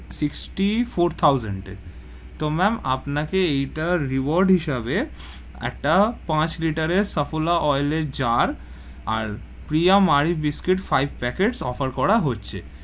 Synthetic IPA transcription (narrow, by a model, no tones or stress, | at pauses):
siksʈifoɾt̪ʰawza̰ɳɖ | t̪omɛma̰pnakeejʈaɾiboɾɖɦiʃabe | ɛ̰k̚ʈapãt͡ɕliʈaɾeɾsəfolaʔɔjleɾd͡ʑaɾ | a̰ɾ | pɾijamaɾibiskeʈfajbʱpɛkeʈsɔ̰faɾkɔɾaɦotːɕʰḛ